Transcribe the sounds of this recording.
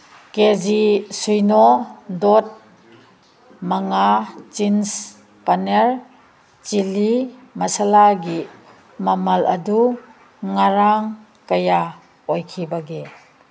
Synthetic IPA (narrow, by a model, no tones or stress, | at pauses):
ked͡ʒisujnɔdɔt̚ | maŋat͡ʃins | paneɾ | t͡ʃilimɐsalaɡi | mɐmɐlɐdu | ŋaɾaŋ | kɐja | ɔjkʰibaɡe